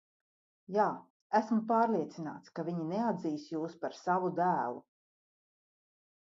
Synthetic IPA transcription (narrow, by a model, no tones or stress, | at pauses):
jaː | æsmupaːɾlˠiɛt̪sina̰ːt̪skavʲiɲinead̪ziːsjuːspaɾsavud̪æːlˠṵ